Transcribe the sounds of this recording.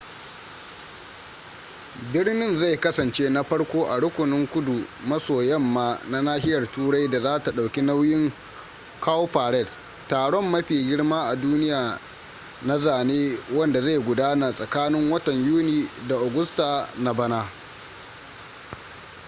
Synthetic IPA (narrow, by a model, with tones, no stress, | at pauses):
bɪ˦rnɪ˦nza˦˨jkɐ˦sɐ˨nt͡ʃeː˦na˦ɸɐ˦ɽkʷoː˦ʔa˨ɽʊ˦kʷʊ˨nɪ˦ŋkʷʊ˦du˨mɐ˦soː˨jɐ˦˨mːaː˦na˦naː˦ɦɪ˦jɐ˨rtuː˦ɽa˦jda˨zaː˦ta˨ɗa˨wkʲi˦na˦wjɪ˦ŋ | kaː˦wo˦ɸaː˨ɾɛ˦˨d | tːaː˨ɽɔ˦mːɐ˦ɸiː˨ɡʲɪ˦ɽmaː˦ʔa˨duː˦nɪ˦jaː˨ | na˦zaː˨neː˦wɐ˦nda˨za˦˨jɡʷʊ˨daː˦na˨sʼɐ˨kaː˦nɪ˦ŋwɐ˦tɐ˨ɲjuː˦niː˨da˨ʔa˨ɡʊ˦staː˨na˦bɐ˦naː˦